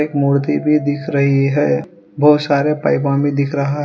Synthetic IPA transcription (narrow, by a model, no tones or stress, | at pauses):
ekmʊɽd̪ibʱid̪ɪkʰɾɐɦiɦɛː | bɐɦʊt̪saːɾepa̰ːɪbãbʱid̪ɪkʰɾɐɦaɦ